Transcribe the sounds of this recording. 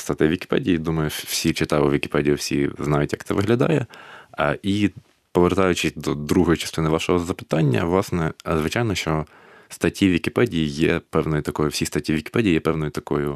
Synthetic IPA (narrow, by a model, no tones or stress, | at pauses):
st̪ɐt̪ɪʋʲikʲɪ̥pɛ̰dʲijid̪umɐjʊwsʲit͡ʃɪt̪ɑʋɪʋʲikʲɪ̥pɛdʲijʊwsʲḭznɑjʊtʲjɐk̚t̪ɛʋɪɦlʲɐd̪ɑ̰jɛ | i | pɔʋert̪ɑjʊt͡ʃɪd̪ɔd̪ɾuɦɔjʊt͡ʃɐ̥st̪ɪnɪʋɑʃɔɦɔzɐpɪ̥t̪ɑnʲːɐ̰ʋlˠɑsnɛzʋɪt͡ʃɑjnɔʃt͡ʃɔ | st̪ɐtʲiʋʲikʲɪpɛdʲijijɛpɛwnɔjʊt̪ɐkɔjʊwsʲist̪ɐtʲːiʋʲikʲɪ̥pɛdʲijijɛpɛwnɔjʊt̪ɐkɔjʊ